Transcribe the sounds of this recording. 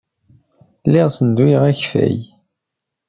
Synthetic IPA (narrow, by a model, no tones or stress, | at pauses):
lːɪʁsənd̪ijʁæçfæ̰j